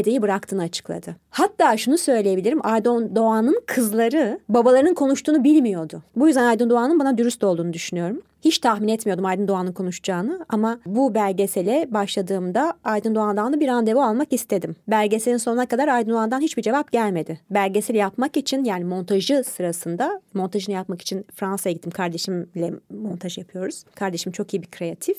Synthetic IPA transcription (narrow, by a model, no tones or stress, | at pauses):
d̪ejibɯɾakt̪ʰɯːnɯat͡ʃʰɯ̥klˠa̰d̪ɯhat̪ʰːaːʃunusø̞jlʲeje̞bilʲiɾimʔajd̪ond̪oanɯnkʰɯzlˠaɾɯbabalˠaɾɯnɯnkʰo̞nuʃt̪ʰuːnubilʲmijo̞d̪ʊbujyzd̪ænajd̪ɯnd̪oanɯnbanad̪yɾyst̪o̞lˠd̪uːnud̪yʃynyjo̞ɾum | hit͡ʃt̪ʰahminɛt̪mijo̞d̪umajd̪ɯnd̪oanɯnkʰo̞nuʃd͡ʒaːnɯamabubæɾʲɟe̞selʲɛbaʃlˠad̪ɯːmd̪aajd̪ɯnd̪oand̪anlˠabiɾand̪e̞vualˠmakist̪ʰe̞d̪imbæɾʲɟe̞seinsonunakad̪aɾajd̪ɯnd̪uand̪anhit͡ʃbid͡ʒe̞vapɟælʲme̞d̪ɪbæɾʲɟe̞silʲɛjapmakit͡ʃʰinjaːnimo̞nt̪ʰaʒɯsɯɾasɯnd̪amo̞nt̪ʰaʒɯnɯjapmaki̥t͡ʃʰinfɾansajaɡɟit̪ːimkʰaɾd̪e̞ʃimlʲɛmo̞nt̪ʰaʒɯjapʰɯjo̞ɾuz̥kʰaɾd̪e̞ʃimt͡ʃʰo̞kijibikʰɾe̞at̪ʰif